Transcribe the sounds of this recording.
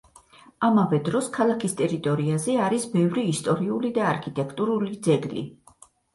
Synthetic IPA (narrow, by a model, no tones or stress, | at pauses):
amavɛd̪ɾɔskʰalˠakʰist̪ʼɛɾit̪ʼɔɾiazɛaɾisbɛvɾiːst̪ʼɔɾiulid̪aːɾkʰit̪ʼɛkʰt̪ʼuɾulid̪zɛɡlḭ